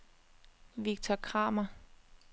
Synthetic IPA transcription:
ʋiɡ̥̚t͡sʰɒkʰʁɑ̰̈ːmɐ

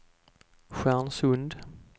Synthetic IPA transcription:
ɧænsɵnd̪

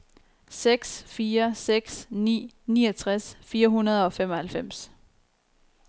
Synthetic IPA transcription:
seɡ̥sfiːɐseɡ̥snḭː | niːɐt͡sʰʁasfiːɐɦunɐð̞ˠɒ̽fem̰ɒ̽hælfem̰s

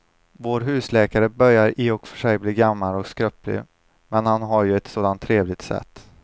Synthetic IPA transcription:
voːɾɦʉ̟ːslɛːkaɾəbœɾjaɾɪːɔkfœʂɛjbliːɡamːalɔkskɾœplɪ̰ | mɛnhanɦaɾjɵɛt̪soːd̪ant̪ʰːɾeːvlɪt̪sɛ̰t̪ː

